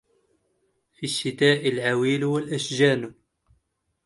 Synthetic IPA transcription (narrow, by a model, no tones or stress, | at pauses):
fiʃːit̪aːʔəlʕawilwəlʔæʃʒænu